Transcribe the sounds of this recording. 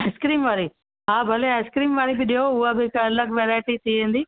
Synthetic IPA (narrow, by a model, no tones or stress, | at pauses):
skɾiːmʋaːɾi | ɦãːbʱɐleeskɾiːmʋaːɾibɪɗiɦoʊɦabɪɪkɐləɡʋeːɾaːɪʈit̪ʰiʋẽːnd̪iː